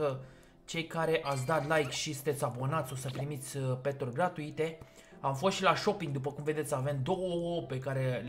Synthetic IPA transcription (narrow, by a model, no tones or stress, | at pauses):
ə | t͡ʃe̞jkaɾe̞ʔat̪s̬ʲd̪at̪lajkʃisɨnt̪e̞t̪sʲabo̞nat̪sʲo̞səpɾimit̪sʲpet̪orʲɡɾat̪uit̪e̞ | amfo̞st̪ʃilaʃo̞piŋɡ̚d̪upəkumve̞d̪e̞t̪sʲave̞md̪o̞wəoope̞kaɾe̞l